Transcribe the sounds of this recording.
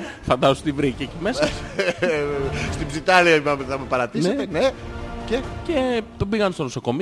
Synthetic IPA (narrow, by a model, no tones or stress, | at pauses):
fɐnd̪ɐout̪ivɾicecime̞sɐ | st̪ibzit̪ɐliɐipɐmeθɐmepɐɾɐt̪iset̪enececet̪obiɣɐnst̪onosoko̞mi